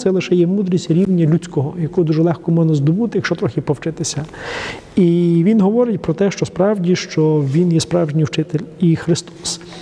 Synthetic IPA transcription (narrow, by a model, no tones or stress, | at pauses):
t̪sɛlˠɪʃɛjɛmud̪ɾʲisʲtʲɾʲiwnʲːɐlʲut͡sʲkɔɦɔjɐkud̪uʒɛlˠɛxkɔmɔnɐzd̪ɔbut̪ɪjɐkʃt͡ʃɔt̪ɾɔxʲɪpɔwt͡ʃɪt̪ɪsʲɐ | iʋʲinɦɔʋɔɾɪtʲpɾɔt̪ɛʃt͡ʃɔspɾɑwdʲiʃt͡ʃɔʋʲinjɛspɾɑwʒnʲiwt͡ʃɪt̪elʲixɾɪst̪ɔ̥s